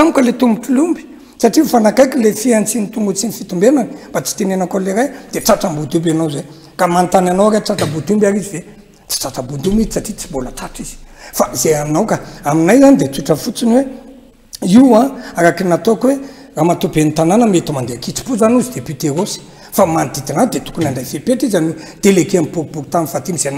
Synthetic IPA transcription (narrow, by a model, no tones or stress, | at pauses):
amukʲəlet̪umbuʈ͡ʂulumbi̥ | saʈ͡ʂiufanakajkilefiant͡sinit̪uŋɡut͡sinifit̪umbenani̥b̥at͡si̥t̪enenakoleɾajd̪̥eʈ͡ʂaʈ͡ʂambud̪ubanawze | kamant̪ananawakat͡sat̪abud̪umbaɾizive | t͡si̥t͡sat̪abud̪umiisaʈ͡ʂit͡si̥bolat̪aʈ͡ʂiz̥i̥faizejaminawkaaminajzanid̪et͡suʈ͡ʂəfut͡sinwe | iwaaɾakinat̪okwe | ramat̪ubenit̪ananəmet̪umand̪eakit͡si̥puzanuzid̪epit̪eɾosi̥ | famand̪̥id̪anad̪et̪u̥kunaɳɖ͡ʐajfepeʈ͡ʂizanwed̪̥elekeampuɾupuɾut̪anifat̪imiz̥ena